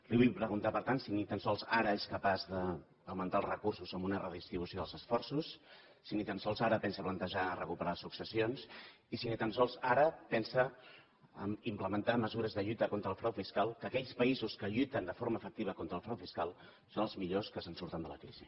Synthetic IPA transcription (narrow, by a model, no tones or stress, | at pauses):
riβujpɾəɣunt̪apəɾt̪ansinit̪ənsɔlˠzaɾəeskəpazðəː | wmənt̪aːlˠzrəkursuzəmbunərəðist̪ɾiβ̞usioðəlˠzəsfɔrsusː | init̪ənsɔlˠzaɾəpɛnsəplənt̪əʒaərəkupəɾasuksəsions | isinit̪ənsɔlˠzaɾəpɛnsə | əmimpləmənt̪aməzuɾəzðəʎut̪əkont̪ɾəːlˠfɾawfiskalˠkəːkɛʎspəizuskəʎujt̪ənd̪əfoɾməːfək̚t̪iβəkont̪ɾəːlˠfɾawfiskalˠ | sonəlˠzmiʎoskəsənsuɾt̪ənd̪ələ̰kɾḭzḭ